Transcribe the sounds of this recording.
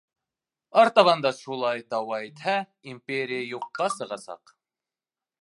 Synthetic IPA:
ɑɾt̪ɑβɑnd̪ɑʃulˠɑjt̪ɑwɑjt̪ʰæ | impeɾijajoqːɑsɨʁɑsɑ̰q

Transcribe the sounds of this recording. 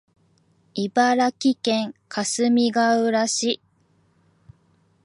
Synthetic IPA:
ibaɾakʲikẽ̞ŋkʰasɨmʲiɡaɯ̟ɾaɕi

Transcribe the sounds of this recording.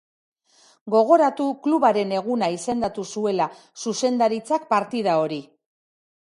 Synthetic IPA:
ɡo̞ɣ̞o̞ɾat̪ukluβaɾe̞ne̞ɣ̞unaise̞nd̪at̪usue̞la | suse̞nd̪aɾit͡sak̚paɾt̪iðao̞ɾi

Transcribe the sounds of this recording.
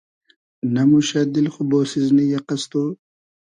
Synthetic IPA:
namuʃad̪ilxuboːsiznijaqast̪oː

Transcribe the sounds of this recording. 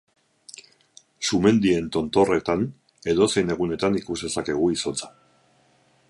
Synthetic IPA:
sume̞nd̪ie̞nt̪o̞nt̪o̞re̞t̪an | e̞ðo̞se̞jne̞ɣune̞t̪anikuzde̞sake̞ɣ̞uiso̞t͡sḁ

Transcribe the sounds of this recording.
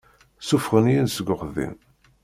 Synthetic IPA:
sufʁənjinsəɡʷʊχðḭn

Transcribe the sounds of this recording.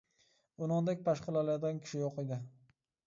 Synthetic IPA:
ʊnɒnd̪ak̚ʲpʰaʃqɨlalad̪ɡʲankʲʰɪ̥ʃɪjɒqed̪ɪ

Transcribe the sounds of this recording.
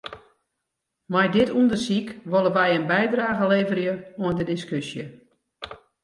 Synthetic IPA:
majdɪtundəsikʋolˠəʋɛjənbɛjdraːɣəleːvərjəoəndədɪskysjə

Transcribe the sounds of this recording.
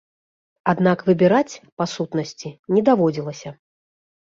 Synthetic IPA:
ad̪nakvɨbʲiɾat͡sʲpasut̪nɐsʲt͡sʲinʲɛd̪avɔd͡zʲilˠɐsʲɐ

